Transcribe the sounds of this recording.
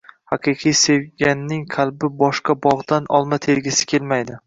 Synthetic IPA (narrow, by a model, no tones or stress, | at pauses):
hɑqʰɨqʰɨjse̞vɡʲanːɪŋqʰalˠbɪbɒʃqɑbɒʁd̪anʔɒlˠmat̪ʰe̞ɾɡʲɪsɪ̥kʲʰelmajd̪ɪ